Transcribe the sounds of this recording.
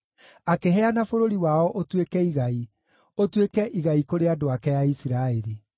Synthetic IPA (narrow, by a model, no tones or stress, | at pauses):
akeɦɛanafoɾoɾiwaɔʔotwekɛiɣai | otwekɛʔiɣaikoɾeadoakɛjaisiɾaeɾi